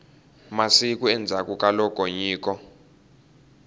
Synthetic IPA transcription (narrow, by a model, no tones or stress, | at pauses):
masik̬ʼuɛnd͡zʱakʼukʼalɔkʼoɲiːk̬ʼɔ